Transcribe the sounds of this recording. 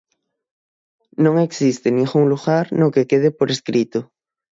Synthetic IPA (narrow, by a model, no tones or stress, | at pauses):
nõŋeksist̪enĩŋxuŋluɣaɾnokekeðepoɾeskɾit̪o